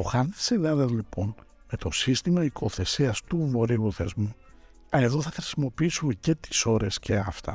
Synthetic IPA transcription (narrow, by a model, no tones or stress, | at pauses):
oxɐnði̥silɐðɐzlipo̞n | me̞t̪o̞sist̪imɐikʰo̞θe̞siɐst̪uvo̞ɾiuθezmu | ɐne̞ðoθɐxɾisimo̞piisumece̞t̪i̥so̞ɾe̞sce̞ɐft̪ɐ̰